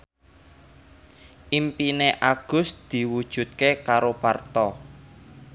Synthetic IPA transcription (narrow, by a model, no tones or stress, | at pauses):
ʔimpineʔaɡ̥ʊ̤sd̪̥i̤wud̥ʒ̥ṳt̪̚kekaɾopart̪ɔ